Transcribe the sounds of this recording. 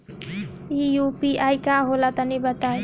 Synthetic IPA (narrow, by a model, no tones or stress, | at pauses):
ijupiʔajkaɦolat̪ʌnibʌt̪aj